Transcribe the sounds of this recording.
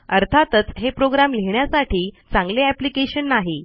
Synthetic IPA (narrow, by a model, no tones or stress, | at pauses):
əɾt̪ʰat̪ət͡sɦepɾoɡɾamleɦɳjasaʈʰiːt͡sãŋɡleæplikeɕənːaɦi